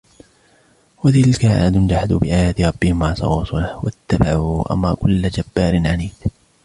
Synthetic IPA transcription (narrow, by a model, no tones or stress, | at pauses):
wat̪ɪlkaʕa̰ːd̪ʊnd͡ʒaħad̪ṵːbɪʔaːjaːt̪ɪɾˤɑbːɪhɪmːaʕt̪ɑ̰wɑːsˤʊlahwat̪ːabaʕuʔa̰ma̰ːkʊlːad͡ʒabːaːɾɪnʕaniːd̪